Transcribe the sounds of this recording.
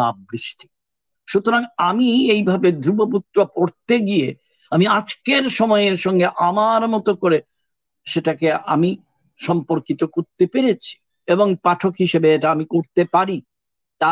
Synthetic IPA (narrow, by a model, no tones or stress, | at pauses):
a̰bɾiʃʈʰi̥ | ʃut̪oɾaŋamiejbʱabed̪ɾuboput̪ːɾopoɾt̪eɡie | amiad͡ʑkeɾʃɔmɔeeɾʃɔŋɡeʔamaɾmɔt̪okoɾe | ʃeʈakea̰mi | ʃɔmpoɾkit̪okoɾt̪epeɾet͡ɕʰi̥ | eboŋpaʈʰokɦiʃebeeʈaamikoɾt̪epaɾi | t̪a